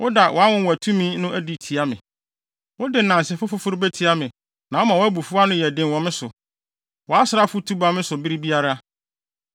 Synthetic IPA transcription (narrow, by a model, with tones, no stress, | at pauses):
wʔʊ˦da˨wʔɔ˨˦a˦wʊ̃˦wæ˨tʰũ˦mĩ˦nʊ̃˦ʔæ˦di˨tʰi˨a˦mɪ̰̃˨ | wʊ˦dɪ˨nã˨n˨sɪ˨fʊ˦fʊ˦fʊ˦ɾbæ˦tʰi˨˦a˦mɪ̃˨ | nã˨wɔ˦mã˨wɔ˦æ˦bu˨fu˦a˦nʊ̃˦jɛ˨dɪ̃˨nwɔ̃˨mɪ̃˦sʊ˨ | wɔ˨a˦sɪ˨ɾa˦fʊ˦tʰu˦ba˦mɪ̃˦sʊ˨bi˦ɾi˦bi˦a˦ɾa˦